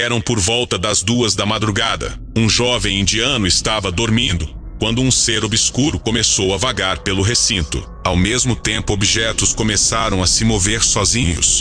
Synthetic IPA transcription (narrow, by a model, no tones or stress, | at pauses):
ɛɾɐ̃w̃poɾvɔwt̪ɐd̪ɐzd̪uɐzd̪ɐmad̪ɾuɡad̪ɐ̰ | ũʒɔvẽj̃ĩnd͡ʒiɐ̃nʊɪst̪avɐd̪oɾmĩnd̪ʊkwɐ̃nd̪ʊũseɾobiskuɾʊkomesowɐvaɡaɾpelʊɦesĩnt̪ʊ̰ | awmezmʊt̪ẽmpʊobiʒɛt̪ʊskomesaɾɐ̃w̃ɐsɪmoveɾsɔzĩɲʊ̰s